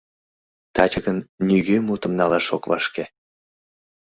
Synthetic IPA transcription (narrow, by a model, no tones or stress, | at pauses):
t̪ɑt͡ɕəɣənnyɣømut̪ə̆mnɑlɑʃokvɑ̰ʃke